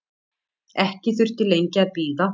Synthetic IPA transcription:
ɛhcɪθʏr̥t̪ɪlejɲcɪaðpiːða

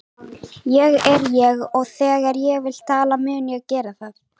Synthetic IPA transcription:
jɛɣɛɾjɛɣɔɣθɛːɣaɾjɛɣvɪlt̪ʰaːlamɛːʏnjɛacɛːɾaθaθ

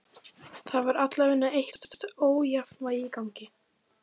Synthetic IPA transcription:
θaðvaɾat̪lavɪnːaejht̪t̪oːwjafnvajɪikawɲcɪ

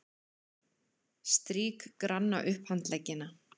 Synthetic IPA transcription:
st̪ɾiːkkɾanːa̰ʔʏhphant̪lɛcːɪna

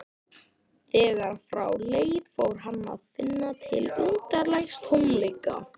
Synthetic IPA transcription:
θɛːɣaɾ̥fɾawleːjðfowɾ̥ɦanːa̰ðfɪnːat̪ʰɪ̰lʏnt̪aɾlajxst̪humlejka̰

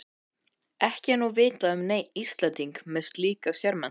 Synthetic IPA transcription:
ɛhcɪnːuvɪːt̪aʏmneːjnist̪lɛnt̪iŋkmɪnst̪liːkasjɛɾmɛn

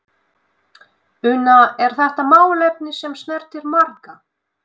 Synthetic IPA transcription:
ʏnaɛɾ̥θɛht̪amaːwlɛpnɪsɛmstnɛɾ̥t̪ɪɾmaɾka

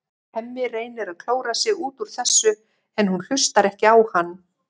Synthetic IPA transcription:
hɛmːɪreːjnɪɾaðkʰl̥oːwɾasɪɣuːt̪uɾ̥θɛsːʏ | ɛnːhunl̥ʏst̪aɾɛhcɪawhanː

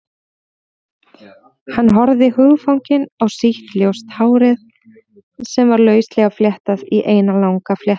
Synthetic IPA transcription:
hanːɦɔɾðɪhʏːɣfawɲcɪnawsiht̪ljowst̪haːwɾɪð | sɛmvaɾlœːɥst̪lɛːɣafljɛht̪aðiʔeːjnalawŋkafljɛht̪ḁ

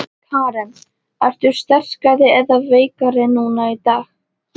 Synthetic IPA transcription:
kʰaːɾɛn | aɾ̥t̪ʏɾ̥st̪ɛr̥kaðɪɛðaveːjkaɾɪnuːnait̪aːx

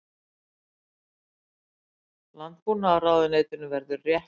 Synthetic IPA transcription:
lant̪punaːraːwðɪneːjt̪ʏnʏvɛɾðʏrjɛh

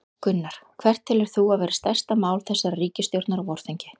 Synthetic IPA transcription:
kʏnːaɾ̥kʰvɛr̥t̪ʰːɪlɛɾ̥θuavɛːɾɪst̪ajr̥st̪amaːwlθɛsːaɾariːcɪst̪jowɾt̪naɾavɔɾ̥θijɲcɪ

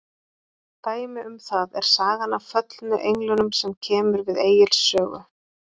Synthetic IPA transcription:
t̪aːjmɪʏmθaðɛɾ̥saːɣanafœt̪lnʏʔejŋlʏnʏmsɛmcʰɛːmʏɾvɪðeːjɪlsːœːɣʏ̰

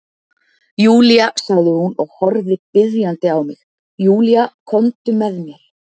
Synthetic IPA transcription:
juːlijasaɣðɪhunɔɣhɔɾðɪpɪðjant̪ɪawmɪ̰x | juːlijakʰɔnt̪ʏmɛðmjɛɾ̥

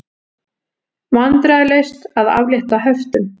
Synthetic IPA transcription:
vant̪ɾaðɪlejst̪aða̰vljɛht̪aɦœft̪ʏm

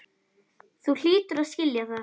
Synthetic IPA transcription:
θuɬiːt̪ʏɾascɪljaða

